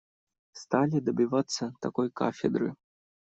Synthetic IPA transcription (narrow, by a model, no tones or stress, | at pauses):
st̪alʲid̪ɐbʲivat̪sːɐt̪akɔjka̰fʲɛd̪ɾɨ̰